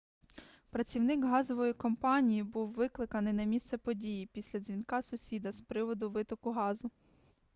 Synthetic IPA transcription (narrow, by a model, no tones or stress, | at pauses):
pɾɐt͡sʲiwnɪkɦɑzɔʋɔjikɔmpɑnʲijibuwʋɪklˠɪkɐnɪjnɐmʲist̪sɛpɔdʲijipʲisʲlʲɐzʲʋʲinkɑsʊsʲid̪ɐspɾɪʋɔd̪ʊʋɪt̪ɔkʊɦɑzʊ